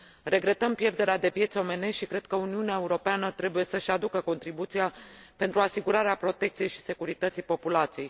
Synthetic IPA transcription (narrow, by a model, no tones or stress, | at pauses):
ɾe̞ɡɾe̞t̪əmpje̞rd̪e̞ɾead̪e̞pje̞t̪so̞me̞ne̞ʃʃikɾe̞d̪̚kəuniuneae̞uɾo̞peanət̪ɾe̞buje̞səʃad̪ukəko̞nt̪ɾibut̪sijape̞nt̪ɾuasiɡuɾaɾeapɾo̞t̪e̞k̚t̪sije̞jʃi̥se̞kuɾit̪ət̪sipo̞pulat̪sije̞j